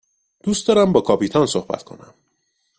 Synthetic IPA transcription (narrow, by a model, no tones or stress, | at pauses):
d̪̥uːst̪d̪ɒːɾæmbɒːkʰɒːpiːt̪ʰɒnsohbæ̰t̪kʰo̞̰næ̰m